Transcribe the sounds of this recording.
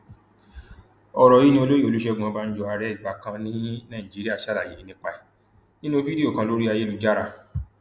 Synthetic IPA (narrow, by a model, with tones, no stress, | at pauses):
ɔ˧ɾɔ˨ji˦nĩ˦o˧lo˦ji˦˨o˧lu˦ʃɛ˧ɡũ˨ã˨˧ba˦n̩˦d͡ʒɔ˧a˧ɾɛ˦˨i˨ba˨kã˧nĩ˦nã˦˨ĩ˨d͡ʒi˨˦ɾi˦a˦˨ʃa˦ɾa˦˨je˨˦nĩ˧˦k͡pa˧i˨ | nĩ˦nũ˦vi˦di˦o˦˨kã˧lo˦ɾi˦a˧je˦lu˧˦d͡ʒa˦ɾa˧˨